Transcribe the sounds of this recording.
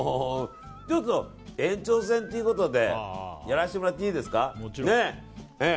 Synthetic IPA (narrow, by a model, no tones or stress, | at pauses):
t͡ɕot̪ːo | ẽ̞ɲt͡ɕo̞ːs̬ẽnt̪e̞jiɯ̟ko̞t̪o̞d̪e̞jaɾaɕit̪emoɾat̪ːeiːd̪e̞sɨ̥kane | e